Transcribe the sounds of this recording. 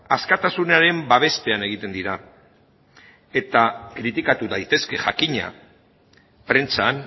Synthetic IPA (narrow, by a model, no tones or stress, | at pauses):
askat̪asunaɾe̞mbaβ̞e̞st̪e̞ane̞ɣ̞it̪e̞nd̪iɾa | e̞t̪akɾit̪ikat̪uðajt̪e̞ske̞ʝakiɲa̰ | pɾe̞nt͡san